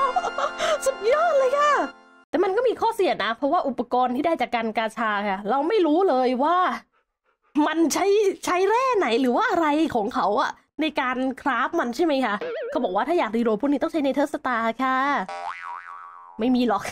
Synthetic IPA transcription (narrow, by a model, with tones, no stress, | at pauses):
su˨˩t̪̚jɔː˥˩t̪̚lɤː˧jkʰa˥˩ | t̪ɛː˨˩ma˧nkɔː˥˩miː˧kʰɔː˥˩si˨˩ət̪̚na˦˥pʰɾɔ˦˥waː˥˩ʔu˨˩pːa˧kɔː˧nt̪ʰiː˥˩da˥˩jt͡ɕaː˨˩kːaː˧nkaː˧t͡ɕʰaː˧kʰa˥˩ɾa˧wma˥˩jɾuː˦˥lɤː˧jwaː˥˩ | ma˧nt͡ɕʰa˦˥jt͡ɕʰa˦˥jɾɛː˥˩na˩˦jɾɯː˩˦waː˥˩ʔa˧ɾa˧jkʰɔː˨˩˦ŋkʰa˦˥wʔa˨˩ | na˧jkaː˧nkʰɾaː˦˥p̚ma˧nt͡ɕʰa˥˩jma˦˥jkʰa˥˩kʰa˥˩bɔː˨˩k̚waː˥˩aː˥˩jaː˨˩iː˧ɾoː˨˧˩p̚ʰu˥˩ni˦˥t̪ɔ˥˩ŋt͡ɕʰa˦˥jna˧jt̪ʰt̪̚sa˧t̪aː˧kʰaː˥˩ | ma˥˩jmiː˧lɔ˨˩k̚